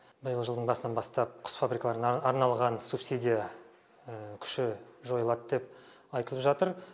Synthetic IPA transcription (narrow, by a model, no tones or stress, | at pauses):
bɪjəlˠʒəd̪əɴbɑsənɑnbɑst̪ɑp̚qʰʊ̥sfabɾʲikalˠɑɾənɑɾnɑlˠʁɑnsupsid̪ʲija | əkʲʰʏ̥ʃɪʒo̞jlˠɑd̪d̪e̞p̚ | ɑjt̪əlˠəpʒɑt̪əɾ